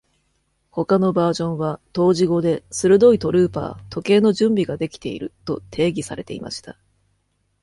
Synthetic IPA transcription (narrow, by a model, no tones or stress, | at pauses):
ho̞kano̞baːʑõ̞ɰ̃βat̪o̞ːʑiɡo̞d̪e̞sɨɾɯ̟d̪o̞it̪o̞ɾɯ̟ːpa̰ːt̪o̞ke̞ːno̞ʑɨ̃mbʲiɡad̪e̞kʲi̥t̪e̞̰ḭɾɯ̟̰t̪o̞̰t̪ʰe̞ːɡʲisa̰ɾe̞t̪e̞̰ima̰ɕi̥t̪a